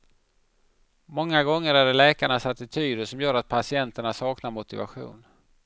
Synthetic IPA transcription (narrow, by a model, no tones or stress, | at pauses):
mɔŋːaɡɔŋːəɾaɖɛlɛːkaɳasat̪ːɪt̪ʰyːd̪əʂɔmjœːɾat̪̚pʰasɪɛnt̪əɳasɑːknaɾmʊt̪ɪva̰ɧṵːn